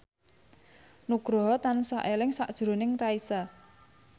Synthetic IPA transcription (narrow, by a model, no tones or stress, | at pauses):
nuɡ̥ɾɔɦɔt̪ansaʔelɪŋsaʔd̥ʒ̥ɾo̤nɪŋraisa